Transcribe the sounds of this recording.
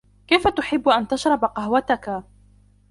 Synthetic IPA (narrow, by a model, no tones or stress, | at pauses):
kajfat̪ʊħɪbːʊʔant̪aʃɾˤɑbaqɑɦwat̪aka